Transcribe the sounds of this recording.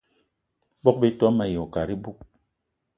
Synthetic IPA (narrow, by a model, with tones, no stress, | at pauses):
bɔ˦k̚be˦tɔ˨˦ma˨jo˨ka˨ɾi˦bu˦k̚